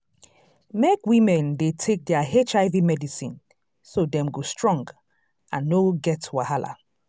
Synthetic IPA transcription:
mekwĩmɛ̃ndetʰek̚dɛaɦet͡ʃaɪvimɛdisĩn | sodɛ̃mɡostɹɔ̃ŋɡ | ʔãnːoɡɛtwahalʔa̰

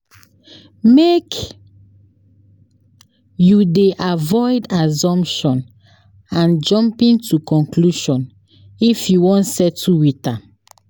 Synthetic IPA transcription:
mek | judeʔavɔɪdazɔ̃mpʃɔ̃n | ãnd͡ʒɔ̃mpĩntukɔ̃nkluʃɔ̃n | ifjuwɔ̃ntsɛtʰːuwita

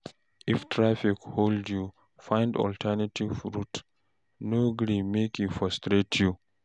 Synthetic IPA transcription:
iftʰɹafikholdju | fãj̃ndɔ̰ltʰɛnatʰivɹut | noɡɾĩmekufɔstɹetʰju

